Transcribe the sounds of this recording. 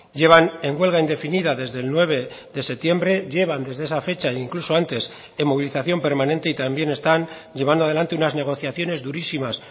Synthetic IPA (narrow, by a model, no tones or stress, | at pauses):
ʎe̞β̞ane̞ŋɡwe̞lɣ̞aind̪e̞finiðaðe̞zðe̞lnwe̞β̞e̞ðe̞se̞t̪je̞mbɾe̞ʝe̞βand̪e̞zðe̞esafe̞t͡ʃaiiŋkluso̞ant̪e̞s | emo̞βiliθaθjo̞mpe̞ɾmanẽ̞nt̪e̞it̪ambje̞ne̞st̪an | ʝe̞β̞and̪oaðeant̪e̞unazne̞ɣ̞o̞θjaθjo̞ne̞zðuɾisimas